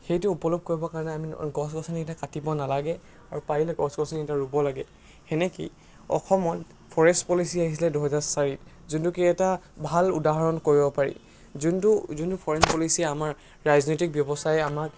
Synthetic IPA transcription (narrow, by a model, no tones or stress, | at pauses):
xejtʊupɔlɔb̚koɹibɔkaɹɔnɛamiɡɔsɡɔsaniɛtakatibɔnalaɡɛ | aɹupailɛɡɔsɡɔsanitaɹubɔlaɡɛ | xɛnɛkḭj | ɔ̰xɔmɔt | pʰɔɹɛstpɔlisiaɦis̬ilɛduɦɛzaɹsaɹit | zuntukiɛtabʱaludaɦɔɹɔnkoɹibɔpaɹḭ | zuntuzuntupʰɔɹɛnpɔlisiɛamaɹ | ɹaznɔjtik̚bjɔbɔsajamak